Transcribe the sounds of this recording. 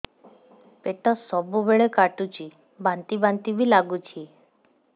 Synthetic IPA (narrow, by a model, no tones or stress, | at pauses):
peʈɔsɔbubeɭekaʈut͡ʃʰi | bant̪ibant̪ibʱilaɡut͡ʃʰi